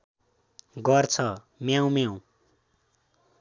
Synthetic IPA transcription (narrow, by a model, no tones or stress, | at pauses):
ɡʌrt͡sʰʌ | mjaw̃mjaw̃